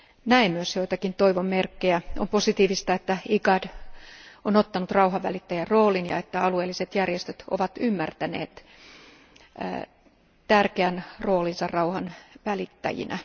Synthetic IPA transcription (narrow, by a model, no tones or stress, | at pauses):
næemmyøsjoit̪ɑkint̪oiʋommerkːejæomposit̪iːʋist̪ɑet̪ːæiɡɑd | onot̪ːɑnut̪rɑuɦɑʋʋælit̪ːæjærroːlinjɑ̰et̪ːæɑlueːlːiset̪jærjest̪øt̪o̰ʋɑt̪ymːært̪ænḛːt̪ | t̪ærkeænro̞ːlinsɑrrɑuhɑnʋælit̪ːæ̰jḭnʔæ̰